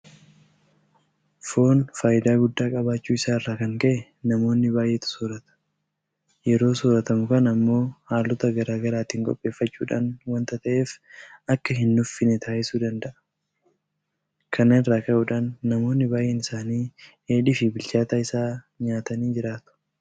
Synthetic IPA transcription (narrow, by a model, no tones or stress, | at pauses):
fo̞ːnfaːjɪd̪aːɡʊd̪ːaːkʼɐbaːt͡ʃːuːɪsaːɪrːaːkɐŋkɐʔɛ | nɐmo̞ːnːɪbaːjʔeːt̪ʊ̥soːɾɐt̪ɐ̥ | jɛɾo̞ːsoːɾɐt̪ɐmʊkɐnɐmːo̞ːhaːlːɔt̪ɐɡɐɾaːɡɐɾaːt̪iːŋkʼɔ̰pʼːe̞ːfːɐt͡ʃːuːᶑaːnwɐnt̪ɐt̪ɐʔe̞ːfɐkːɐɦɪnːʊfːɪnɛt̪aːʔɪsuːd̪ɐnd̪ɐʔɐ | kʰɐnanɪrːaːkɐʔuːᶑaːnːɐmo̞ːnːɪbaːjʔeːnɪsaːniː | eːᶑɪfɪbɪlt͡ʃaːt̪aːɪsaː | ɲaːt̪ɐniːd͡ʒɪɾaːt̪ʊ̥